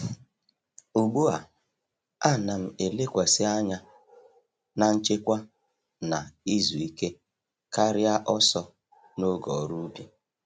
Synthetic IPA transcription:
u˨ɡ͡bu˦a˨ | a˦˨na˨m̩˨e˨le˦kʷa˨sɪ˦a˦ɲa˦ | na˨n̩˦t͡ʃe˦kʷa˦ | na˨i˦zu˨i˦ke˦ | ka˦ɾɪ˦a˦ʔɔ˦sɔ˦ | no˦ɡɔ˨ɾu˦u˦bi˨

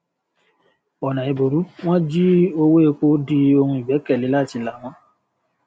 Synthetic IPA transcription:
ɔ˨nã˨i˧bo˨ɾu˨˦w̃ɔ̃˦d͡ʒi˦o˧we˦e˧k͡po˦di˧o˧hũ˧i˨bɛ˨˦kɛ˦˨li˨˦la˦˨ti˧la˨w̃ɔ̃˧˦

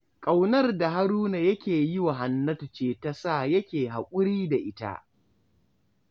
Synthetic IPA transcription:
kʼa˨wnɐ˦rda˨ɦa˦ɾuː˦na˨jɐ˦kʲeː˨jɪ˦wa˨ɦa˨nːɐ˦tʊ˨t͡ʃeː˦ta˦sa˦˨jɐ˦kʲeː˨ɦa˨kʷʼʊ˦ɽiː˦da˨ʔɪ˦ta̰˦

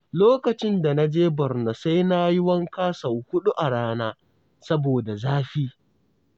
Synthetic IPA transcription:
loː˦kɐ˨t͡ʃɪ˦nda˨na˦d͡ʒeː˦bɐ˨rna˨sa˦jna˦jɪ˦wɐ˦ŋkaː˦sɐ˨whʊ˦ɗu˦ʔa˨ɽaː˦naː˦ | sɐ˦boː˨da˨zaː˦ɸʲi˦

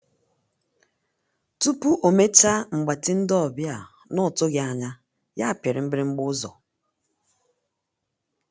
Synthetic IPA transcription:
tu˦pu˦ʔo˨me˦t͡ʃa˦ŋ͡m̩˨ɡ͡ba˨tɪ˦n̩˦dɔ˦ɔ˨bja˨ | nɔ˦˨tʊ˦ɣɪ˨a˨ɲa˦ | ja˦a˨pe˨ɾɪ˨m̩˦bɪ˦ɾɪ˦ŋ͡m̩˦ɡ͡bʊ˦zɔ̰˨

